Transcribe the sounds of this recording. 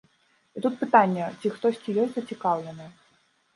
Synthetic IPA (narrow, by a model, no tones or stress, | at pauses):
it̪ut̪̚pɨt̪anʲːɛt͡sʲixt̪ɔsʲt͡sʲijɔsʲt̪ʲzɐt͡sʲikawlʲɛnɐj